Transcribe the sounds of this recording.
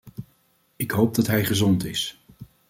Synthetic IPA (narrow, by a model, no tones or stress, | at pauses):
ɪkɦowp̚dɑtɦɛjχəzɔntɪs